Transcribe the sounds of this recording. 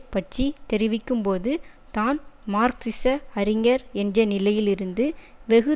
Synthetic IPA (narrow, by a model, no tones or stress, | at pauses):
pːɐʈt͡ʃit̪ɛɾɪʋɪkːɯmpoːðɯ | t̪aːnmaːɾksɪsɐɐɾɪŋɐɾɛndrɐnɪlɐjɪlɪɾɯnd̪ɯʋɛɣɯ